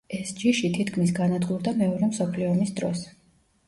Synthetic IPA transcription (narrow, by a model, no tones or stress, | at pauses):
ɛsd͡ʒiʃit̪ʰit̪kʰmisɡanad̪ɡʼuɾd̪amɛɔɾɛmsɔpʰliɔmisd̪ɾɔs